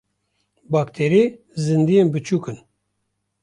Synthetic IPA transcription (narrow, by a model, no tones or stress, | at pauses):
bɑːkt̪ʰeɾi | zɨnd̪ijenbɨt͡ʃʰuːkɨn